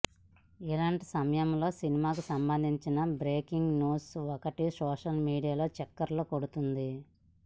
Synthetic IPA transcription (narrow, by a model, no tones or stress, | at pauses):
ilaːɳʈisɐmɐjɐmlo̞ːsinimaːk̬usɐmbɐnd̪ʱiɲt͡ʃinɐbɾeːkiŋɡnuːsɔkɐʈisɔːʂɐlmiːɽijaːlo̞ːt͡ʃɛkːɐɾlo̞ːkoɽut̪und̪i